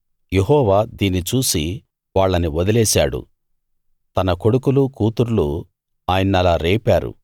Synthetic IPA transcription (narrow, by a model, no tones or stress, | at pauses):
jeɦɔːʋaːd̪iːnit͡ʃuːsi | ʋaːɭːɐniʋɔd̪ɐlɛːsaːɽṵ | t̪ɐnɐko̞ɽukulukuːt̪uɾlu | aːjɐnːɐlaːɾeːpaːɾṵ